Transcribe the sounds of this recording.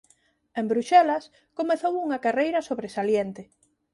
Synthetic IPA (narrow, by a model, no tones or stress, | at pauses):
embɾuʃɛlɐs | komeθowuŋɐkarejɾɐsoβɾesaljent̪ɪ